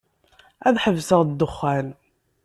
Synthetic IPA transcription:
æðħəvsəʁd̪ːəχːæl

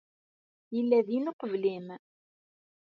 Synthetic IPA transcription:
jəlːæðinoqəvlim

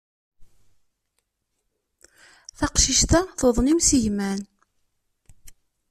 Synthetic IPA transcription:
θɑqʃiʃt̪aθoðˤnimsiʝmæn

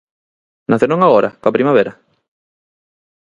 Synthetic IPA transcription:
naθonõŋaɣoɾa̰kapɾimaβ̞eɾa

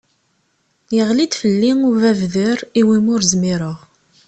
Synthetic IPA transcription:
jəʁlid̪fəlːiŋuvævðəɾiwimʊɾzmiɾəʁ

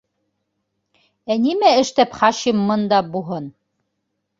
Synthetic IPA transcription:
ænimæɘ̆ʃt̪æpχɑʃimːɤnd̪ɑbuɦɤn

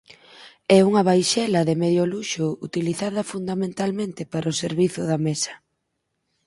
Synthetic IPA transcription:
ɛuŋɐβ̞ajʃɛlɐðemeðjoluʃʊut̪iliθaðɐfund̪amẽnt̪almẽnt̪ɪpaɾʔoseɾβiθʊðamesɐ̥

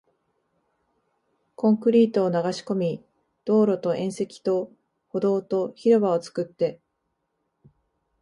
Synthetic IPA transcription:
kõ̞ŋkɯ̟ɾʲiːt̪o̞ːnaɡaɕi̥ko̞mʲi | d̪̥o̞ːɾo̞t̪o̞ʔẽ̞ɰ̃se̞kʲi̥t̪o̞ | ho̞d̪o̞ːt̪o̞çiɾɯ̟βao̞t͡sɨ̥kɯ̟t̪ːe̞

